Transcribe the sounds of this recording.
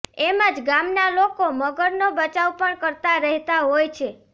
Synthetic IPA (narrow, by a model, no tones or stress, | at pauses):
emãd͡ʒɡamnalokoməɡəɽnobət͡ʃaʋpəɳkəɾt̪aɾɛɦt̪aɦojt͡ʃʰe